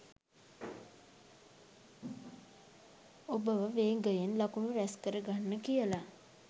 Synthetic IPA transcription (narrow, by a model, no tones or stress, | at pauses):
obəʋəʋeːɡəjenlakuməɾæskəɾəɡanːəkijəla